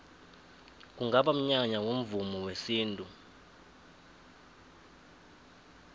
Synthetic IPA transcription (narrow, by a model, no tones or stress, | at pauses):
k̬ʼuŋɡʱaɓam̩ɲaɲawom̩vumɔwesiːntʼu